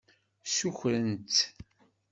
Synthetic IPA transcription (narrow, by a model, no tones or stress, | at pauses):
suçɾənt̪